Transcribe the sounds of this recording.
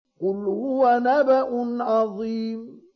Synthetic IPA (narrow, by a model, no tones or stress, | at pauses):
qʊlhʊwanabaʔʊnʕɑðˤiːm